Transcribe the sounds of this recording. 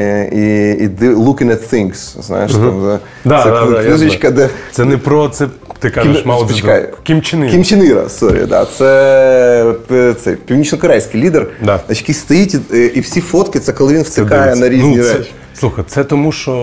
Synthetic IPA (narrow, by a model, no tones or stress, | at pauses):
iid̪ɪlˠukʲɪ̃ŋɛt̪θiŋɡszna̰jɪʂtɐm | d̪aɛuzit͡ʃkɐd̪ɛsɛnɛpɾot̪sɛt̪ɪkaʒɪʃmalˠɔpit͡ʃkaj̰kʲimt͡ʃɪnɪkʲimt͡ʃɪniɾɐ̰st̪oɾʲɪ̰d̪a̰t̪sɛ | t̪sɛpʲiwnʲit͡ʃnɔkɐɾajsʲkʲɪjlʲid̪ərd̪aɐt͡ɕɪ̥tkʲist̪ɐjitʲiʔifsʲifot̪kʲɪt̪sɛkɐlˠɐʋinfsɨkajɛnɐɾʲinznʲiʒɛʃ | slˠuxɐjt̪sɛt̪ɔmuʃo